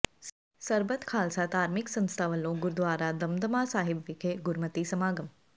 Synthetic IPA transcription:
sɐɾbət̪ʰkʰaːlsat̪aːɾmɪksɐ̃nst̪ʰaːʋɐlõːɡʊɾd̪ʋaːɾad̪ɐmd̪əmaːsaːɦɪbʋɪkʰeɡʊɾmət̪isɐmaːɡəm

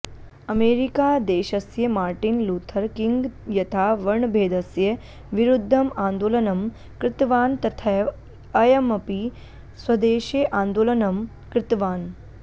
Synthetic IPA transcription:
ɐmeːɾikaːd̪eːʃɐsjɐmaːɾʈinluːt̪ʰɐɾkiŋɡjɐt̪ʰaːʋɐɾɳbʱeːd̪ɐsjɐ | ʋiɾud̪ʱːɐmãːnd̪oːlɐnɐm | kɾɪt̪ʋaːnt̪ɐt̪ʰa | ɐjɐmɐpi | swɐd̪eːʃeʔãːnd̪oːlɐnɐm | kɾɪt̪ʋaːn

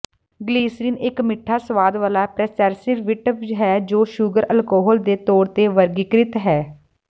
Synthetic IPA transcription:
ɡliːsɾiːnɪkmɪʈʰːaːsəʋaːd̪ʋaːlaːpɾɛːt͡ʃɛɾsɪɾʋɪʈəpd͡ʒɦɛːd͡ʒoːʃuːɡəɾʔəlkɔːɦɔːld̪eːt̪ɔːɾt̪eːʋəɾɡɪkɾɪt̪ɦɛː

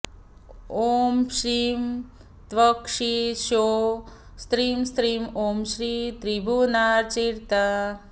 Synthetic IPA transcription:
omʃɾim | t̪ʋəkʂiʃo | st̪ɾimst̪ɾimomʃɾit̪ɾibunaɾt͡ʃiɾt̪a

